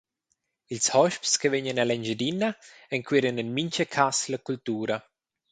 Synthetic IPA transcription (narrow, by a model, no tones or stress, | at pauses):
ilshɔʃpskəveɲənalɛɲd͡ʒəd̪inaɛŋkwiɾənɛnmiɲt͡ʃəkʰaslakult̪uːɾɐ